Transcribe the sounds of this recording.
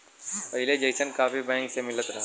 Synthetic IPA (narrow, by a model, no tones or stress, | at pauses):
pɐɦɪled͡ʒeɪsənkaːfibɛ̃ːŋksemɪlət̪ɾɐɦa